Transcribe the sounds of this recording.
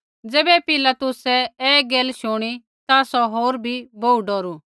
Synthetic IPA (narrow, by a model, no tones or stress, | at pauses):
d͡zeːbɛpɪlat̪ʊsɛeːɡeːlʃoːɽ̃i | t̪asɔɦoːɾbʱibʱoːuɖɔːɾu